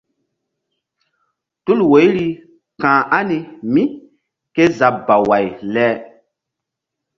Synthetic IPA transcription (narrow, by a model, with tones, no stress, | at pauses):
tu˦lwo˨˦jɾi˦ | kãː˨ʔa˦ni˨mi˦ | ke˦za˨ba˨wa˨jlɛ˦